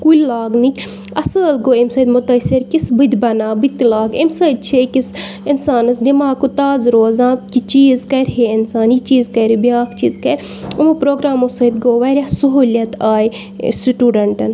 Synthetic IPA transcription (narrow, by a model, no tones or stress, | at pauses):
kulʲlaːɡnikʲ | ɐsəlɡoːimsɐːd̪mʊt̪ɐsʲiɾkisbɨd̪ʲbɐnaːbit̪laːɡimsɐːd̪̚t͡ʃʰekisinsaːnɐsd̪imaːɡ̚kut̪aːzɾoːzãːkit͡ʃiːzkɐɾɦeɪnsaːnit͡ʃiːzkɐɾbjaːkt͡ʃḭːzkɐɾʲ | umɐpɾoːɡɾaːmosɐd̪ɡoːʋɐɾʲasɐɦuːljɐt̪aːj | siʈuːɖɐɳʈɐn